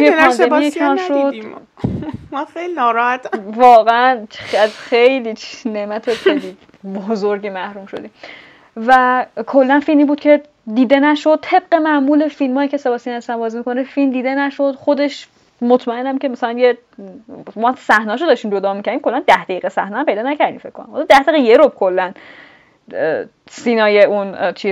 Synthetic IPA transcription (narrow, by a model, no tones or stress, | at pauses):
jepʰænd̪emijekʰɒnʃod̪ | mɒxejlinɒːɾɒhæt̪vɒːɣeænæzxejliːnemæt̪ʰoxeli | bozoɾɟiːmæhɾuːmʃod̪iːmm | vækʰolːænfilmiːbuːd̪̚cʰe̞ | d̪iːd̪e̞næʃod̪̚t̪ʰe̞b̚ɢe̞mæʔmuːle̞filmɒːjicʰesebɒːsiːnæsæmbɒːziːmikʰo̞nefilmd̪iːd̪e̞næʃod̪xo̞d̪e̞ʃ | mot̪ʰmæenːæmcʰemæsælænje | mɒːsæhnɒːʃod̪ɒːʃt̪imd͡ʒo̞d̪ɒːmicʰæɾd̪imkʰo̞lːænd̪æhd̪æiːɣesæhnɒːæmpe̞jd̪ɒːnæcʰæɾd̪ḭmfekʰːo̰næ̰mho̰lɔd̪æhd̪eɣejeɾob̚kʰolːæn | siːnɒːjeunt͡ʃʰi